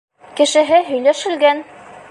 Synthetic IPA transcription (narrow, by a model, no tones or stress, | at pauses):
kɘ̆ʃɘ̆ɦɘɦɵ̆jlæʃɘ̆lɡæn